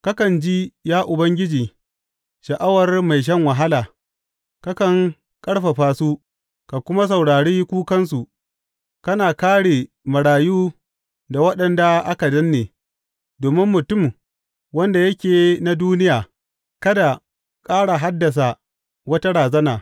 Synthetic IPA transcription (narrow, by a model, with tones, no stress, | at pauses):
ka˦kɐ˨nd͡ʒi˦jaː˦ʔʊ˨bɐ˦ŋɡʲɪ˦d͡ʒiː˨ | ʃɐ˨ʔa˦wɐ˨rma˨jʃ̬ɐ˦ŋwa˨ɦa˦laː˨ | ka˦kɐ˨ŋ | kʼɐ˦ɽɸa˨ɸaː˦su˦ | ka˨kʷʊ˦ma˦s̬ɐ˨wɽaː˨ɽiː˦kʷuː˦kɐ˦ns̬u˨ | kɐ˦naː˨kaː˦ɽeː˨ | mɐ˨ɽaː˨juː˦ | da˨wɐ˦ɗɐ˨nda˨ʔa˦ka˨dɐ˦nːeː˨ | doː˨mɪ˦mːʊ˨tʊ˦˨m | wɐ˦nda˨jɐ˦kʲeː˨na˨duː˦nɪ˦jaː˨ | kɐ˦da˨ | kʼaː˦ɽa˨ɦa˦dːɐ˨s̬a˨ | wɐ˦ta˦ɽaː˨zɐ˦naː˨